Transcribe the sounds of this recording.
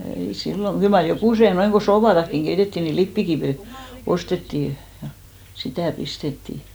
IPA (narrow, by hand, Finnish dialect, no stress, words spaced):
ei silːo kyl mɑr jokuˑse noiŋ ɡ̊o soːpɑtɑkːiŋ ɡ̊eitetːiˑ ni lipːikiʋiˑ ostetːiˑ jɑ sitæˑ pistetːiˑ